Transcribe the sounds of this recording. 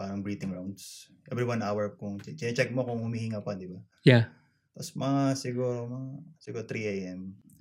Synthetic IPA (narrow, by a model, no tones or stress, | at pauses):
paːɾɐŋbɹiːt̪ɪŋɹawnd̪sʔɛvɾiwanʔawɛɹkʊŋt͡ʃt͡ʃɪnɐt͡ʃɛk̚mokʊŋhʊmihiŋapad̪ɪba | ja | t̪ɐposmɐŋasɪɡuːɾo̞mɐŋasɪɡuːɾot̪ɾiʔajʔɛm